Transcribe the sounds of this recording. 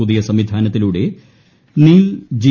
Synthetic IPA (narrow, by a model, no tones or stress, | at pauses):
uðijɐsɐmʋid̪ʱaːnɐt̪ːiluːɽe̞ | niːld͡ʑi